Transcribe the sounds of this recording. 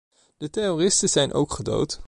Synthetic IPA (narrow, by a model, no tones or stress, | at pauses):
d̥əteroːrɪstəz̥ɛjnʔo̰wkχədo̰wt